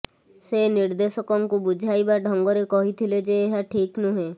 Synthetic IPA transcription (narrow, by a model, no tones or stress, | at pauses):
seniɾd̪esɔkɔŋkubud͡ʒʱajbaɖʱɔŋɡɔɾekɔɦit̪ʰiled͡ʒeːɦaʈʰiknuɦẽ